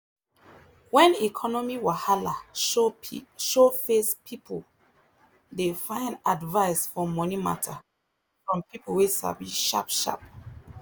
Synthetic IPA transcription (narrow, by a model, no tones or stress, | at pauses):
wɛ̃nikʰɔnɔmiwahala | ʃofespʰipʰol | defãɪ̃ndadvaɪsfɔmɔnima̰tʰa | fɹɔ̃mpipowesa̰viʃa̰pʃa̰p̚